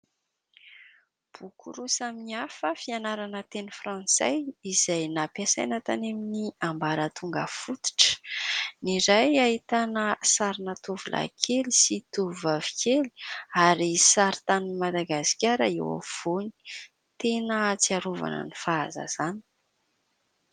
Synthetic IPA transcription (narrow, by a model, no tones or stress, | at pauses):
b̥ukṵɾusaminiafəfianaɾanət̪enəfɾɑ̃nsa̰jizajnapjasajnət̪aneminiambaɾət̪ʰuŋɡəfut̪u̥ʈ͡ʂə̥niɾajait̪anəsaɾinət̪ovulʔa̰kʰelisit̪uvavi̥kʲeli̥aɾisaɾit̪animad̪aɡasi̥kʲaɾəḛwa̰v̥oni̥ | t̪enət͡siaɾuva̰nə̰nifaːza̰z̥ani̥